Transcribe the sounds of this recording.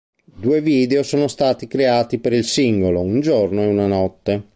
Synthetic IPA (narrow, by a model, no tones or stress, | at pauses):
d̪uːeviːd̪eosoːnost̪aːt̪ikɾeaːt̪ipeɾilsiŋɡolound͡ʒornoeunanɔt̪ːe